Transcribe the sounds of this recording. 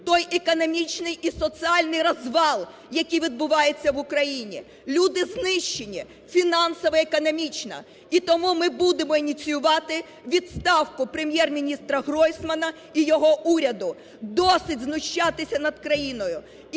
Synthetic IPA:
t̪ɔjʔekɔnɔmʲit͡ʃnɪjʔisɔt͡s̪ʲɨɑlʲnɪjɾɐzʋɑlˠ | jɐkʲijʋʲid̪̚bʊʋɑjet͡sʲːɐʋʊkɾɐjinʲḭ | lʲud̪ɪznɪʃt͡ʃːenʲi | fʲinɑnsɔʋɛekɔnɔmʲit͡ʃnɐ̰ | it̪ɔmumɪbud̪emɔinʲit͡sʲijʊʋɑt̪ɪ | ʋʲid̪st̪ɑwkʊpɾemʲjɛrmʲinʲist̪ɾɐɦɾɔjsmɐnɐ | ijɔɦɔʔuɾʲɐd̪ʊ | d̪ɔsɪdʲznʊʃt͡ʃat̪ɪsʲɐnɐd̪̚kɾɐjinɔjʊ

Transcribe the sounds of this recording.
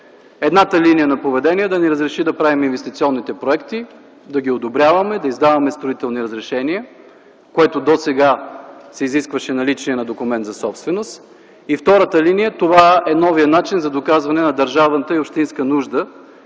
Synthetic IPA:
ɛd̪nat̪əlinijənɐpovɛd̪ɛniəd̪ɐnɛɾəzɾɛʃid̪ɐpɾaviminvɛst̪it̪siɔnːit̪ɛpɾoɛkt̪i | d̪ɐɡʲiod̪obɾʲjavɐmɛd̪ɐizd̪avɐmɛst̪ɾoit̪ɛlˠniɾəzɾɛʃɛniə | koɛt̪od̪osɛɡasɛiziskvəʃɛnɐlit͡ʃiɛnɐd̪okʊmɛnt̪zɐsɔpst̪vɛnos | ift̪ɔɾət̪əlinijət̪ovaɛnɔvijənat͡ʃinzɐd̪okazvɐnɛnɐd̪əɾʒavnət̪əiopʃt̪inskənuʒd̪ə

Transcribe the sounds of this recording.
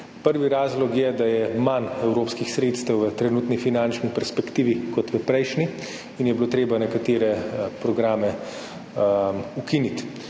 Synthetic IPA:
pəɾʋiɾaːzlɔkjɛd̪ajɛmanɛwɾoːpskixsɾeːt̪st̪əwʋət̪ɾɛnuːt̪nifinant͡ʃnipɛɾspɛkt̪iːʋikɔt̪ʋəpɾɛjʃni | injɛbiloːt̪ɾeːbanɛkat̪eːɾɛpɾɔɡɾaːmɛ | ukinit̪

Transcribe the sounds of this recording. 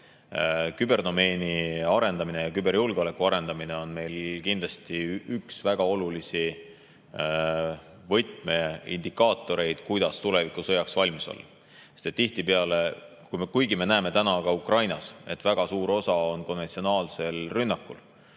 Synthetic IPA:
kybe̞rd̪o̞me̞ːniɑɾe̞nd̪ɑmine̞jɑkybe̞ɾjulɡ̥eo̞le̞kːˑuɑɾe̞nd̪ɑmine̞o̞nme̞jlkind̪lɑst̪iyksvæɡ̥ɑo̞lulisi | vɤjt̪me̞ḭnd̪̥ikːˑɑːt̪ːˑo̞ɾe̞jd̪̥kujd̪ɑst̪ule̞vikˑusɤjɑksvɑlʲmiso̰lːɑ̰ | et̪et̪ːiht̪ipeɑle̞ | kujmkujɡime̞næeme̞t̪ænɑɡ̥ɑukrɑjnɑse̞t̪ːˑvæɡ̥ɑsuːɾo̞sɑo̞nko̞nːet̪sio̞nɑːlse̞lrynːɑkːˑṵl

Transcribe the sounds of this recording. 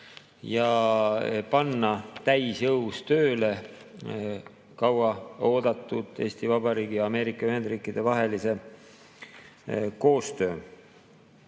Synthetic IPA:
jɑ | pɑnːɑt̪æjsjɤwst̪ø̞ːle̞ | kɑwɑo̞ːd̪̥ɑt̪ːˑud̪̥e̞̰ːst̪ivɑb̥ɑɾiːɡ̥ijɑɑme̞ːɾikːˑɑyɦhe̞nd̪rɾiːkˑid̪̥e̞vɑɦe̞lise̞ | ko̞ːst̪ø̞ː

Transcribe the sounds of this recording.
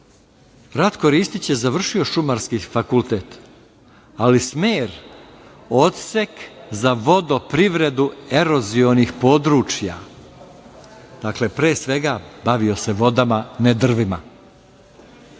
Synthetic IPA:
ɾat̪ko̞ɾiːst̪it͡ɕjezaʋr̩ʃio̞ʃumaɾskifakulˠt̪e̞t̪ | alismeːɾ | ot̪sekzaʋo̞d̪o̞pɾiʋɾe̞d̪ue̞ɾo̞zio̞nixpo̞ːd̪ɾuːt͡ʃja̰ | d̪̥akle̞pɾeːsʋe̞ɡabaʋio̞se̞ʋo̞d̪amaned̪r̩ʋima

